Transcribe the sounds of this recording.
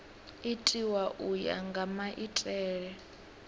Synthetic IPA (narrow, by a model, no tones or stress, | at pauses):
itʼiwaʔuja̰ŋɡʱamaʔitʼɛːɺɛ